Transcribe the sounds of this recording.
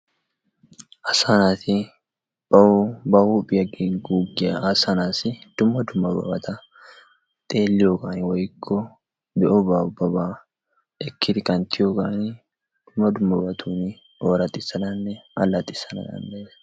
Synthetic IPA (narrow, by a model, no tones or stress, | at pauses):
ʔɐsanaːt̪ɪ | b̥ɐbɐhuːpʼɪjɐɡiɡuːɡːɪjɐʔɐsɐnaːsɪd̪̥ʊmːɐd̪ʊmːɐbɐ̰bɐt̪ʰɐ | t̪ʼeːlːɪjoɡaːnwɔjkʰːɔ | bɛʔɔbabɐbaː | ɛkːɪd̪ɪkʼɐnt̪ʰɪjoːɡaːnɪ | d̪̥ʊmːɐd̪ʊmːɐbɐt̪ʰuːnɪ | oːɾɐt̪ʼɪsːɐd̪ɐnːɛɐlːɐt̪ʼɪsɐnɐ̰d̪ɐ̰nːɛ